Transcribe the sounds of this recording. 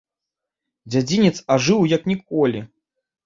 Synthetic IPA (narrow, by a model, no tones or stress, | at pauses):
d͡zʲad͡zʲinʲɛt̪saʐɨwjɐknʲikɔlʲi